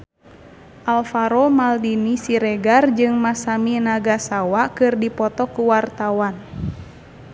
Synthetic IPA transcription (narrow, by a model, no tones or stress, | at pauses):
ʔalfaɾɔmaldinisiɾɛɡard͡ʒɨŋmasaminaɡasawakɨrdipɔt̪ɔkuwart̪awan